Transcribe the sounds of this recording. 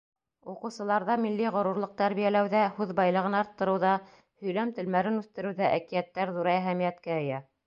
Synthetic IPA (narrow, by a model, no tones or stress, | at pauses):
uqɤ̆wsɤ̆lˠɑɾðɑmilːiʁŏɾuɾlˠɤq̚t̪æɾβijælæwðæhʉðbɑjlˠɤ̆ʁɤnɑɾt̪ːɤ̆ɾɤ̆wðɑ | hɵ̆jlæmt̪ɘ̆lmæɾɘnʉθt̪ɘ̆ɾɘ̆wðæʔækijæt̪ːæɾðuɾæɦæmijæt̪kæɘ̆jæ